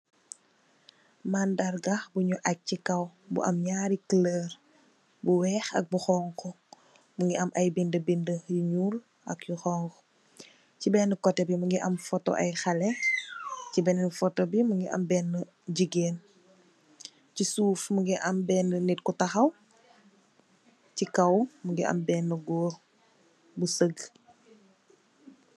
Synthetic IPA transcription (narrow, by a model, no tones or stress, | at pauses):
maːndɐrɡɐxbuɲuʔɐk̚cikɐwbṵʔɐ̰mɲaːɾiklər | buwɛːxɐ̰k̚buxɔːŋkɔ | məŋɡiɐmʔɐjbindəbindəjuɲuːl | ʔɐ̰kjuxɔŋkɔ | cibɛːnəkɔtːɛbimɐŋɡiʔɐmfɔtɔ̰ʔɐ̰jxɐlɛ | cibɛnnifɔtɔbiməŋɡiʔɐ̰mbɛːnːə | ɟiɡeːn | cisuːfməŋɡiʔɐmbɛːnːənit̚kutɐxɐw | cikɐwməŋɡiʔɐ̰mbɛːnːəɡɔːr | busəɡ